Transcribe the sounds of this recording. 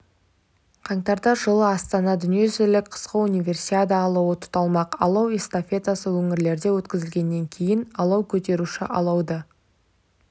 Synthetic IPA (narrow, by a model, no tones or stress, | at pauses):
qʰɑɴt̪ɑɾd̪ɑʒəlˠəɑst̪ɑnɑd̪ʏnije̞zɪlɪk̚ʲqʰə̥sqəunijvʲe̞rsiad̪əːlˠɑwət̪ʰʊ̥t̪ɑlˠmɑqɑ̰lˠɑwest̪ofʲe̞t̪asəwɵŋɪɾle̞ɾd̪e̞wɵt̪kʲɪzɪlɡʲe̞nːe̞ŋkʲʰe̞jɪnɑlˠɑwkʲʰɵt̪e̞ɾuʃɪ̰ʔɑ̰lˠɑwd̪ə